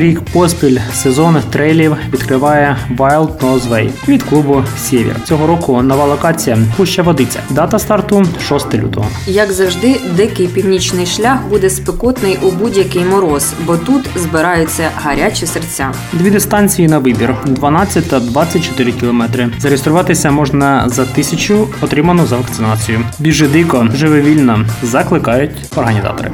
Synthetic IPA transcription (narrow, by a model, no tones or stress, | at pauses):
ɾʲikpɔspʲilʲsezɔnt̪ɾɛjlʲiwʋʲid̪kɾɪʋɑjɛʋɑjlˠd̪nɔzʋɛ̰jʋʲid̪klˠubʊsʲeʋʲḭrt͡sʲɔɦɔɾɔkʊnɔʋɑlˠɔkɑt͡sʲijɐpuʃt͡ʃɛʋɔd̪ɪt͡sʲːɐ̰d̪ɑt̪ɐst̪ɐrt̪uʃɔst̪ɪlʲṵt̪ɔ̰ɦɔjɐɡzɐwʒd̪ɪd̪ɪkɪjpʲiwnʲit͡ʃnɪjʃlʲaxbud̪ɛspɪkɔt̪nɪjʔʊbudʲjɐkɪjmɔɾɔsbɔt̪ut̪zbɪɾɑjʊt͡sʲːɐɦɐɾʲat͡ʃɪsert͡sʲa | d̪ʋʲid̪ɪst̪ɑnʲt͡sʲijinɐʋɪbʲird̪ʋɐnɑt͡sʲːɐt̚ʲt̪ɐd̪ʋɑt͡sʲːɐt̚ʲt͡ʃɔ̥t̪ɪɾɪkʲilˠɔmɛt̪ɾɪzɐɾeest̪ɾʊʋɑt̪ɪsʲɐmɔʒnɐzɐt̪ɪsʲɐt͡ʃʊɔt̪ɾɪmɐnʊzɐʋɐk̪sɪnɑt͡sʲijʊbʲiʒɪd̪ɪkɔʒɪʋɔʋʲilʲnɐzɐklˠɪkɑjʊtʲ | ɔrɦɐnʲizɑ̰t̪ɔ̰ɾɪ̰